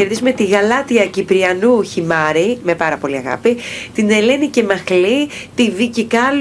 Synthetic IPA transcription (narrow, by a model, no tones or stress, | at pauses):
eɾðizumet̪iɣɐlɐt̪iɐcipɾiɐnuçimɐɾime̞pɐɾɐpo̞liɐɣɐ̰pit̪ine̞le̞nice̞mɐxlit̪ivicikɐl